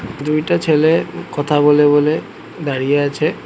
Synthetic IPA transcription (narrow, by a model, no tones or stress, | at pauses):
d̪ujʈat͡ɕʰelekɔt̪ʰabolebole | d̪aɹijeat͡ɕʰe